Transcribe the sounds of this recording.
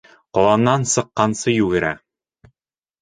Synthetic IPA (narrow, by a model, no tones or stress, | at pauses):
qɒlˠɑnːɑnsɤ̆qːɑnsɤjʉɡɘ̆ɾæ